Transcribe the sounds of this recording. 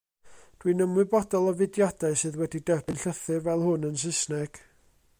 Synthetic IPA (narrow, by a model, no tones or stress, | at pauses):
d̥winəmɨbɔdɔlˠɔvɨdjad̥aɨsɨːðwɛdidəb̥ɨnɬəθɨrvɛlˠhʊnəns̬ɪsnɛɡ̥